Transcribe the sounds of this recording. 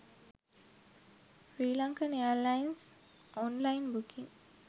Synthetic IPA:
fɾiːlãŋkəneəlaɪns | ʔɔ̃nlaɪnbukʰĩŋ

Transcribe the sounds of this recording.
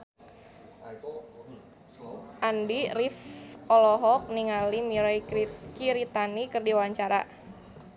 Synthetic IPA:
ʔandirifɔlɔɦɔk̚niŋalimiɾajkiɾit̪anikɨrdiwawaɲt͡ʃaɾa̰

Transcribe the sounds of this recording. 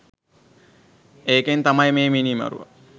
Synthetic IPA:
eːkent̪amajmeːminima̰ɾṵʋɐ̰

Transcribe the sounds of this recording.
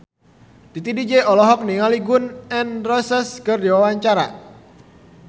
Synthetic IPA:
d̪it̪idid͡ʒeʔɔlɔɦɔk̚niŋaliɡʊnɛnrɔsɛskərdiwawaɲt͡ʃaɾa̰

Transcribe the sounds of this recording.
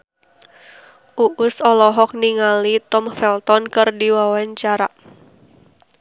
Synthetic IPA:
ʔuʔʊsɔlɔɦɔk̚niŋalit̪ɔmfɛlt̪ɔnkɨrdiwawaɲt͡ʃaɾaʔ

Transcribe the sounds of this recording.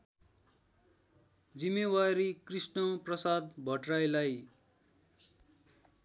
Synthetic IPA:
d͡zimːewaɾikrisnʌprʌsad̪̚bʱʌʈrajlaj

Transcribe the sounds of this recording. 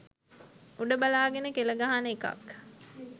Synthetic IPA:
uɖəbalaːɡenəkeləɡaɦanəeka̰k

